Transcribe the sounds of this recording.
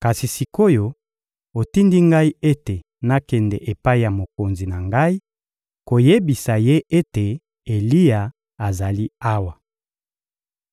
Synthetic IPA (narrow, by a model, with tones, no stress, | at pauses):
ka˨si˨si˨ko˦jo˦ | o˨ti˦ndi˦ŋɡa˦i˦e˦te˨ | na˦kɛ˨ndɛ˨ʔe˨pa˦i˦ja˨mo˨ko˨nzi˨na˨ŋɡa˦i˦ | ko˨je˦bi˨sa˨je˦ʔe˦te˨ | e˨li˦ja˨ | a˨za˨li˦a˦wa˨